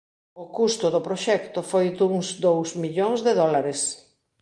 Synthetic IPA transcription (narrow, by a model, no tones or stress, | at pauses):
ʊkust̪ʊðʊpɾoʃɛkt̪ʊfojd̪uŋzd̪owsmiʎoŋzðeðɔlaɾes